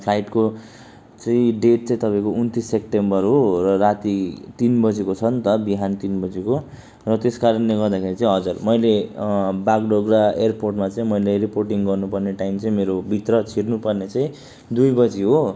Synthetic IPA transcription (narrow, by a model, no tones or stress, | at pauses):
pʰlajʈko | t͡sʌĩɖeʈ̚t͡sãĩt̪ʌpaĩkount̪isːep̚ʈembʌrɦorʌrat̪it̪inbʌd͡zikot͡sʰʌnt̪ʌbiɦant̪inbʌd͡ziko | rʌt̪eskaɾʌnleɡʌrd̪akʰeɾit͡saĩɦʌd͡zʌrmʌjlebaɡɖoɡraerporʈmat͡saĩmʌjlariporʈiŋɡʌrnupʌrneʈaimt͡sʌĩmeɾobʱit̪rʌt͡sʰirnupʌrnet͡sãĩ | d̪ujbʌd͡ziɦo